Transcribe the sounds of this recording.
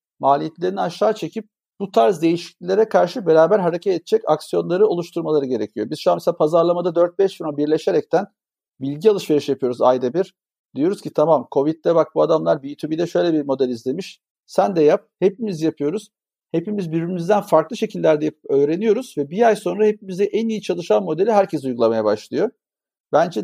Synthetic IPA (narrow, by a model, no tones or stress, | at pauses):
maːlʲijet̪lʲe̞ɾinaʃːaːt͡ʃʰe̞cʰip̚ | but̪ʰaɾzd̪e̞jiʃi̥clʲilʲe̞ɾɛkʰaɾʃɯbe̞ɾaːbæɾɦaɾe̞cʰɛt̪et̪̚t͡ʃʰɛca̰ksijo̞nlˠaɾɯo̞lˠuʃt̪ʰuɾmalˠaɾɯɟe̞ɾe̞cʰijo̞biz̥ʃuameseapʰazaɾlˠamad̪ad̪øɾt̪̚bɛʃfiɾombiɾlʲe̞ʃeɾɛc̚t̪ʰæn | bilʲɟialˠɯʃve̞ɾiʃjapʰɯjo̞ɾuza̰jd̪abiɾ̥ | d̪ijo̞ɾuz̥cʰit̪ʰamamkʰo̞vit̪̚lːɛbak̚buad̪amlˠaɾbijyt̪ʰubid̪ɛʃø̞jlʲɛbiɾmo̞d̪ælʲizlʲe̞miʃ | sænd̪ɛjap̚hepimizjapʰɯjo̞ɾuz̥ | he̞pimizbiɾbimizd̪ænfaɾklˠɯʃe̞cʰilʲːæɾd̪ɛjpɯpøːɾe̞nijo̞ɾuzvɛbijajso̞nɾahep̚imizd̪ɛʔænijit͡ʃʰalˠɯʃanmːo̞d̪elʲiɦæɾcʰes̬ujɡulˠamajabaʃlˠɯjo̞ | bænd͡ʒɛ